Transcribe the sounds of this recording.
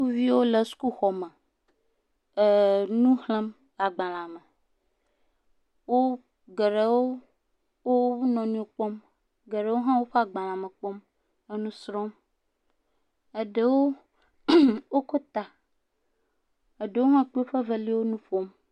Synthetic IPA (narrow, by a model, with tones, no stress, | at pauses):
ku˦vi˦wo˦le˨su̥˦ku˦xɔ˨mɛ˨ | nũ˦hlə̃˦m | a˨ɡ͡bã˨lã˨mə˨ | wo˦ | ɡe˨ɖe˨wo˦ | wo˦nɔ̃˨nũ˦o˨k͡pɔ˦m | ɡe˨ɖe˨˦wo˦ɦã˦wo˦ɸe˦a˨ɡ͡bã˨lã˨mə˨k͡pɔ˦m | ə˦nũ˦sɾɔ̃˦m | e˨ɖe˨wo˦ | wo˦ko˦t̪a˨ | e˨ɖe˨wo˦ɦã˦k͡pe˦o˦ɸə˦ve˦li˦wo˦nũ˦ɸo˦m